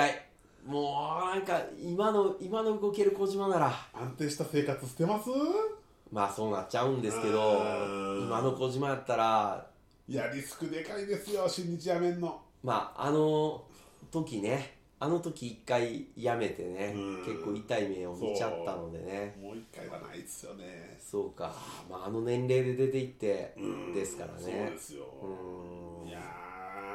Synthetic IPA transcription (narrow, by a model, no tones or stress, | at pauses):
kai | moːnãŋkaimano̞imano̞ɯ̟ɡo̞ke̞ɾɯ̟ko̞ʑimanaɾaãnt̪ẽ̞ːɕi̥t̪ase̞ːkat͡sɨ̥sɨ̥t̪e̞masɨ | maːso̞ːna̰t͡ɕaɯ̟̃nd̪e̞sɨ̥ke̞d̪o̞imano̞ko̞ʑimajat̪ːaɾa | jaɾʲisɨ̥kɯ̟d̪e̞kaid̪esɨjoɕĩɲ̟ːit͡ɕijamẽ̞nːo | ma̰ːa̰no̞ | t̪o̞kʲine̞ | ano̞t̪o̞kʲiːkːaijame̞t̪e̞ne̞ke̞kːo̞ːit̪aime̞o̞mit͡ɕat̪ːano̞d̪e̞̰ne̞moːikːaia̰na̰id̪esɨ̥jo̰ne | so̞ːka̰maːno̞nẽ̞nɾe̞ːd̪e̞d̪e̞t̪e̞it̪ːe̞d̪e̞sɨ̥ka̰ɾa̰nesjo̰ɯ̃ːja